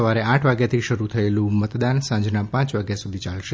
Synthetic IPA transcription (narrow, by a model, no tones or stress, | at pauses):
əʋaɾeaʈʰʋaɡjat̪ʰiʃəɾut̪ʰəelũmət̪d̪ansãd͡ʒnapãt͡ʃʋaɡjasud̪ʱit͡ʃalʃe